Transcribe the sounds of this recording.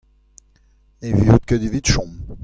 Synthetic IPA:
evjut̪̚kəd̪ivit̪ʃɔ̃m

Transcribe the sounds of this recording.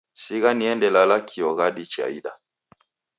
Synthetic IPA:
siɣaniɛndɛlalakʰiɔɣaɗit͡ʃa̰iɗa

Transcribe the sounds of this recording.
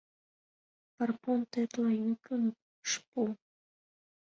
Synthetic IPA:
pɑrpont̪et̪lɑjukən | ʃpu

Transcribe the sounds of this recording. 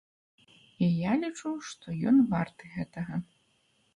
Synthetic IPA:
ijalʲit͡ʂuwʂt̪ʰɔjɔ̰nvart̪ɨɣɛt̪ɐɣɐ

